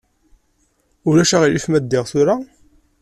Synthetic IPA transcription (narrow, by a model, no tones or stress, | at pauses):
ʊɾlæʃæʁilifmæd̪ːɪʁθʊɾa